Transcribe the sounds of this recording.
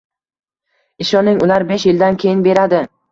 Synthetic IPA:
ɪʃɒnɪŋʊlaɾbeʃjɪld̪ankʲʰe̞jɪnbe̞ɾad̪ɪ

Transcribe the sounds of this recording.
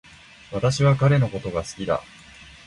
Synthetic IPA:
βat̪aɕiβ̞akaɾe̞no̞ko̞t̪o̞ɡasɨ̥kʲid̪a̰

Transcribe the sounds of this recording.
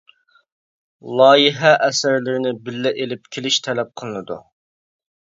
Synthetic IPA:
lˠɑːjiɦɛʔɛsɪɾlɪɾɪnɪbɪlːɛʔelɪp̚kʲʰelɪʃt̪ʰɛlɛp̚qʰəlˠɨnɨd̪ṵ

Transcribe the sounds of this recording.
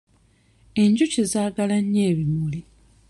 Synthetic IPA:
eɲɟucizaːɡalaɲːeːβimuli

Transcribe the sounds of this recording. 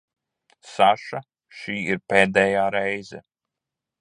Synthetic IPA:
saʃa | ʃiːiɾpɛːd̪ɛːjaːɾɛjzɛ

